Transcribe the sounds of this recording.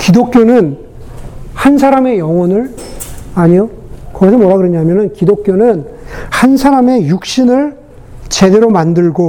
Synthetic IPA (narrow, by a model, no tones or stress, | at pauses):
kidok̚k͈jonɯn | hansʰaɾame̞jʌwʌnɯɭ | aɲijo | kʌɡis̬ʰnmoɾaɡɯɾʌɲaɦmjʌnɯnkidok͈̚jonɯnhansʰaɾame̞juk̚ɕ͈inɯɭ | t͡ɕe̞de̞ɾomandɯɭɡo